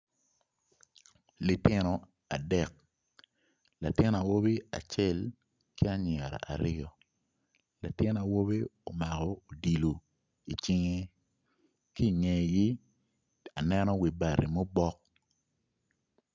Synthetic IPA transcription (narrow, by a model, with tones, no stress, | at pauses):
li˨tɪ˦nɔ˨ | a̰˨dɛ˨k̚ | la˨tɪ˦na˨wo˦βi˦a̰˨t͡ʃɛ˦˨l | ki˦a˦ɲ˨ɛ˨ɾa̰˨ʔa̰˨ɾɪ˦ɔ˨ | la˨tɪ˦na˨wo˦be˦o˨ma˨kɔ˨o˨di˨lo˨ | i˨t͡ʃɪ˦ŋe˦ | ki˦˨ŋe˨ɡi˦ | a˨nɛ˦nɔ˦wi˨ba˨ɾi˨mo˦bɔ˦k̚